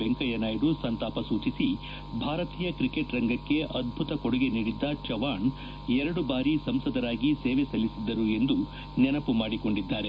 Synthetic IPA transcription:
eŋkɐjɐnaːjiɖusɐnt̪aːpɐsuːt͡ʃisi | bʱaːɾɐt̪iːjɐkɾikeʈɾɐŋɡɐkːe̞ʔɐd̪̚bʱut̪ɐkɔɽuɡe̞niːɽid̪ːɐt͡ʃɐʋaːɳ | ɛɾɐɽubaːɾisɐmsɐd̪ɐɾaːɡiseːʋesɐlːisid̪ːɐɾue̞nd̪u | nɛnɐpumaːɽiko̞ɳɖid̪ːaːɾe

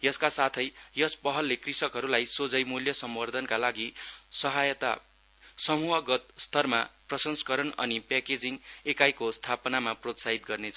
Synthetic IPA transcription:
jʌskasat̪ʰʌjjʌspʌɦʌlːekrisʌkɦʌɾulajsod͡zʌjmuljʌsʌmwʌrd̪ʱʌnkalaɡisʌɦajʌt̪a̰ | sʌmuɦʌɡʌt̪̚st̪ʰʌrmaprʌsʌnskʌɾʌnʌ̰nipeked͡ziŋekajkost̪ʰapʌnamaprot̪saɦit̪̚ɡʌrnet͡sʰʌ

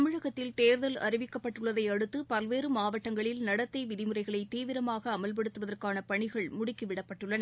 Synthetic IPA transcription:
ɐmɯɻɐɣɐt̪ːɪlt̪eːɾðɐlɐ̰rɪʋɪkːɐpːɐʈːɯɭːɐðɐɪɐɽɯt̪ːɯpɐlʋeːɾɯmaːʋɐʈːɐŋɡɐɭɪlnɐɽɐt̪ːɐɪʋɪðɪmɯrɐɪɣɐɭɐɪt̪ːiːʋɪɾɐmaːɣɐːmɐlp̬ɐɽɯt̪ːɯʋɐðɐrkaːnɐpɐɳɪɣɐɭmʊɽɪkːiʋɪɽɐpːɐʈːɯɭːɐnɐ

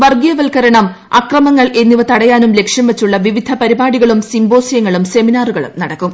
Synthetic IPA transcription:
ʋɐrɡijɐʋɐlkɐɾɐɳɐm | ɐkrɐmɐŋːɐɭe̞nːiʋɐt̪ɐɽɐjaːnumle̞kʂjɐmʋet͡ɕːuɭːɐʋiʋid̪ʱɐpɐɾibaːɽiɣɐɭumsimbo̞ːsjɐŋːɐɭumse̞minaːruɣɐɭṵmnɐɽɐkːum

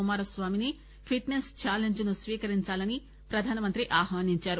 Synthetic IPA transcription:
umaːɾɐsʋaːmini | pʰiʈnest͡ʃaːleɲd͡ʒunusʋiːkɐɾiɲt͡ʃaːlɐni | pɾɐd̪ʱaːnɐmɐnt̪ɾiʔaːɦʋaːniɲt͡ʃaːɾu

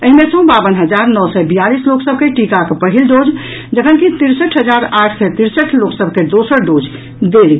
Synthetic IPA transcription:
əɦimesə̃babənɦəd͡ʒaɾnɔsɛbijalisloksəb̚ʱkeʈikakepəɦilɖod͡ʒ | d͡ʒəkənkit̪iɾsəʈʰɦəd͡ʒaɾaʈʰsɛt̪iɾsəʈʰloksəbʱked̪osəɾɖod͡ʒ | d̪el

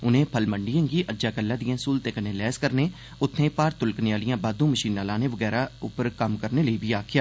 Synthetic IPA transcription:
ʊnẽːpʰəlməɳɖijãːɡiːʔəd͡ʒaːkəlːãːd̪ijãːsuːlt̪eːkənẽːlɛːskəɾneː | ʊt̪ʰːnẽːpaːɾt̪ʊlkneːaːlɪjãːbaːd̪ũːməʃiːnaːlãːneːʋəɡɛːɾaːʊ̰pəɾkəmkəɾneːləiːbʱiːaːkʰɪjaː

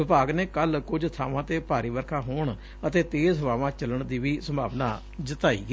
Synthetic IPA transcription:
ʋɪpaːɡneːkəlkʊd͡ʒt̪ʰaːʋãːt̪eːpaːɾiːʋəɾkʰãːɦoːɳ | ət̪eːt̪eːzɦʊʋaːʋãːt͡ʃələɳd̪iːʋiːsəmbʱaːʋnaː | d͡ʒɪt̪aːḭːɡ

